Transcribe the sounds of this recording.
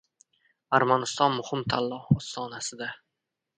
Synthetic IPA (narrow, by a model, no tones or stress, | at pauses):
aɾmanɪst̪ɒnmʊhɪmt̪ʰalːɒhɒsːɒːnasɪd̪a